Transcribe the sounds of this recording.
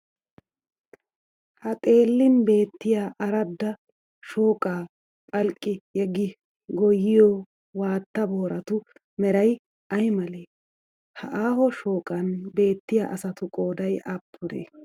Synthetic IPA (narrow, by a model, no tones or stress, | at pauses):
hɐt̪ʼe̞ːlːɪnbe̞ːt̪ːɪjaːʔɐɾɐd̪ːɐ | ʃoːkʼaː | pʼɐlkʼːɪjɛɡɪ | ɡɔjɪjɔ | waːt̪ːɐboːɾɐt̪ʊ | mɛɾɐj | ʔɐjmɐleː | hɐ̰ʔaːhɔʃo̞ːkʼɐnbe̞ːt̪ːɪja̰ʔɐsɐt̪ʊkʼoːd̪ɐjʔɐpʰːʊɾḛː